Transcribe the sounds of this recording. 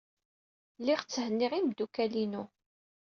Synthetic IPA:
lːiʁt͡sːhənːiʁimd̪ukælinu

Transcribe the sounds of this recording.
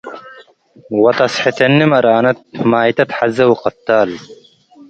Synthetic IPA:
wɐt̪ɐsħit̪ɐnːimɐɾaːnɐt̪̚maːjt̪ɐt̪ħazɐwqɑt̪ːaːl

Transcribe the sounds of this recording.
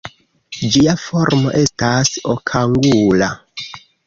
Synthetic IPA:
d͡ʒiafo̞ɾmo̞̰ʔe̞stasokʰaŋɡula

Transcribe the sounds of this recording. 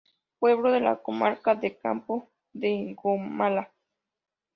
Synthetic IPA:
pweβloðela̰komaɾkad̪eka̰mpo | d̪eɡomala

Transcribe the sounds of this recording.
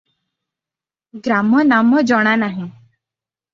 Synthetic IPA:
ɡɾamɔnamɔd͡ʒɔɽ̃anaɦẽ

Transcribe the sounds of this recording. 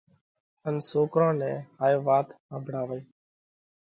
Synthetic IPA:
ənsoːkɾãːnɛ̃ːɦaːjoːʋaːt̪ãːbʱɽaːʋəiː

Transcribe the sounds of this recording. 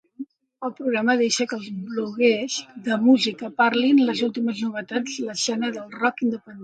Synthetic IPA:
əlˠpɾuɣɾaməðeʃəkəlˠzβluɣɛzðəmuzikəpaɾlinləzulˠt̪iməznuβ̞ət̪ad͡zləsɛnəðəlˠrɔkind̪əpən

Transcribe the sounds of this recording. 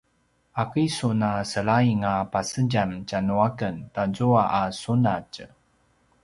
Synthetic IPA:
ʔakisunasəɭaiŋapasəɟamcanuakəntazuaʔasunac

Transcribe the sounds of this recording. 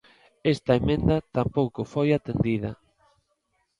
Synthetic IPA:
est̪ɐemẽnd̪ɐt̪ampowkʊfojat̪end̪iðɐ̰

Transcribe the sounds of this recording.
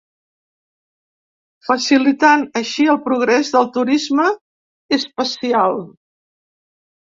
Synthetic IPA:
fəsilit̪anəʃiəlˠpɾuɣ̞ɾɛzðəlˠt̪uɾizmə | espəsialˠ

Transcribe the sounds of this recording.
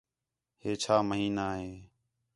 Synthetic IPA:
heːt͡ʃʰaːməɦiːnaːɦeː

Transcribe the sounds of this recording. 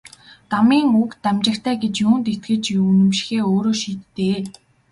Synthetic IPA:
t̪amiːŋukt̪amt͡ɕɪ̆kt̪ʰæːɡet͡ɕjuːnt̪et̪̚ɡɘ̆t͡ɕunɘ̆mʃɪ̥̆xeːoːɾoːʃiːt̪ːeː

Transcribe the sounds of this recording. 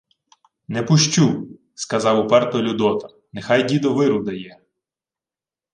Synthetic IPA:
nɛpʊʃt͡ʃu | skɐzɑwʊpɛrt̪ɔlʲʊd̪ɔt̪ɐ̥ | nexɑjdʲid̪ɔʋɪɾʊd̪ɐjɛ

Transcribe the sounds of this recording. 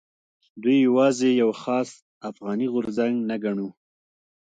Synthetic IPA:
d̪ujːawɑzejawxɑs | afɣɑniɣʊɾzaŋɡnaɡaɳu

